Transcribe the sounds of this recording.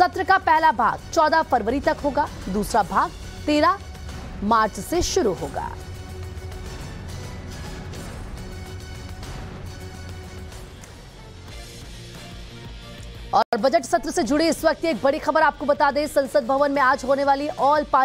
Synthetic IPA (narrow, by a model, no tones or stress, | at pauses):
sɐt̪ɾəkapɛɦlabʱa̰ːɡt͡ʃɔːd̪afɐɾʋəɾit̪ɐkɦoːɡaːd̪uːsɾabʱaːɡ | t̪eːɾa | maːɾt͡ʃseʃʊɾuɦo̰ːɡa̰ː | ɔːɔːɾbɐd͡ʒəʈsɐt̪ɾəsed͡ʒʊɽeɪsʋɐk̚t̪eːk̚bɐɽixɐbəɾaːp̚kobɐt̪aːd̪ẽːsɐ̃nsəd̪̚bʱɐʋənmẽaːd͡ʒɦoːneʋaːliʔɔːlpaː